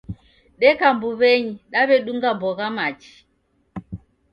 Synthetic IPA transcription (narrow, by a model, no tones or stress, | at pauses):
ɗɛkambuβɛɲiɗaβɛɗuŋɡabɔɣamat͡ʃi̥